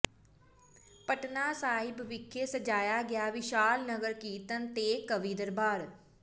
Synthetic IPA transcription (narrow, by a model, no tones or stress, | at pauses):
pəʈnaːsaːɪbʋɪkʰːeːsəd͡ʒaːjaːɡɪjaːʋɪʃaːlnəɡəɾkiːt̪ənt̪eːkːəʋiːd̪əɾbaːɾ